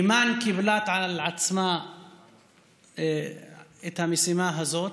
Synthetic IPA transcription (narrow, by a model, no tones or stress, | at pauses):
mankiblat̪ʕallʕat͡sma | et̪hamisimaɦazot̪